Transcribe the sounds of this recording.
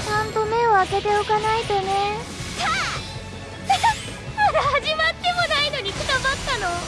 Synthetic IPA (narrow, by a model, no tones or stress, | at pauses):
sãnp̪omeoaket̪eokanait̪one | ha | ɾhad͡ʑimat̪ːemonainoɲikʰɯt̪abat̪ːano